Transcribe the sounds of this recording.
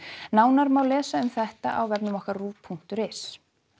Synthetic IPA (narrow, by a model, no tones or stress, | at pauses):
naːwnaɾmaːwlɛːsaʏmθɛht̪aʔawvɛpnʏmɔhkaɾruːpʰuŋ̥t̪ʏɾɪs